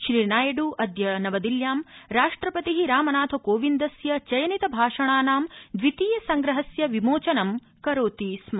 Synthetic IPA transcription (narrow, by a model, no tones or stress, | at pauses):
ʃɾiːnaːjɐɖuʔɐd̪jɐnɐʋɐd̪iljaːmɾaːʂʈɾɐpɐt̪iɦiɾaːmɐnaːt̪ʰokoːʋind̪ɐsjɐt͡ʃɐjɐnit̪ɐbʱaːʂɐɳaːnaːmd̪ʋit̪iːjɐsɐŋɡɾɐɦɐsjɐʋimoːt͡ʃɐnɐm | kɐɾoːt̪ismɐ